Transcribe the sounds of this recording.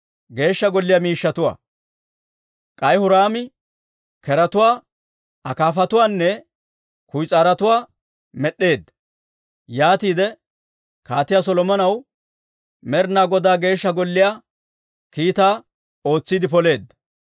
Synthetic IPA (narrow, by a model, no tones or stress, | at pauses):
ɡe̞ːʃːɐɡɔlːɪjaːmiːʃːɐt̪ʊwa̰ː | kʼɐjhʊɾaːmɪ | kɛɾɐt̪ʊwaː | ɐkaːfɐt̪ʊwaːnːɛ | kʊjt͡sʼaːɾɐt̪ʊwaː | mɛɗːe̞ːd̪ːɐ | jaːt̪iːd̪ɛ | kaːt̪ɪjaːs̬ɔlɔmɐnɐw | mɛɾnaːɡɔd̪aːɡe̞ːʃːɐɡɔlːɪjaː | kiːt̪aː | o̞ːt͡sːiːd̪ɪpɔle̞ːd̪ːɐ